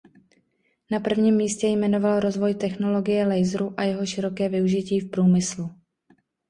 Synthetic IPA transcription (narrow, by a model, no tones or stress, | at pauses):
napr̩vɲiːmːiːscɛjmɛno̞valɾo̞zvo̞jt̪ɛxno̞lo̞ɡɪjɛlɛjzɾuʔajɛɦo̞ʃɪɾo̞kɛːvɪuʒɪciːfpɾuːmɪslu